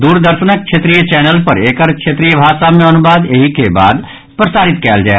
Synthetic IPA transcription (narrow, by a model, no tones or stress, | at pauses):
d̪uːɾd̪əɾʃənək̚ʃʰet̪ɾijət͡ʃɛːnəlpɐɾeːkəɾkʃʰet̪ɾijəbʱaːʃamẽɐnubaːd̪eɦikeba̰ːd̪ | pɾəsaːɾɪt̪kɛːld͡ʒaːe